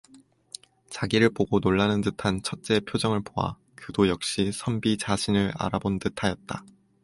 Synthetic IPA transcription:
t͡ɕaɡiɾɯɭpoɡonoɭːanɯntɯtʰant͡ɕʰʌt̚t͡ɕ͈e̞pʰjod͡ʑʌŋɯɭpoa̰ | kɯdojʌk̚ɕ͈isʰʌmbit͡ɕaɕʰinɯɾa̰ɾabontɯtʰajʌt̚t͈a

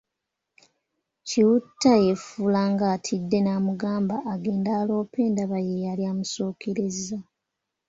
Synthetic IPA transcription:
ciwutʰːaje̞fulaːŋɡaːtʰidːe̞naːmuɡaːmbaʔːɡe̞ːndaːlo̞ːpe̞ːndaβajejaljaːmuso̞ːkʰeɾeza

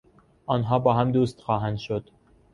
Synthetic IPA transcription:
ɒːnɦɒːbɒːɦæmd̪uːst̪xɒːɦænd̪ʃod̪̥

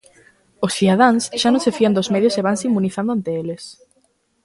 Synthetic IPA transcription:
osθiðað̞aŋsʃanõŋsefiand̪ozmeðjoseβaŋseimːuniθand̪ʊant̪eeles

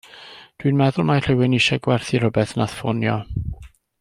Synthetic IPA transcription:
d̥winmɛðʊlˠmajr̥ɪwɪniʃɛɡwɛrθiɾ̥ɔbɛθnaθfɔnjɔ

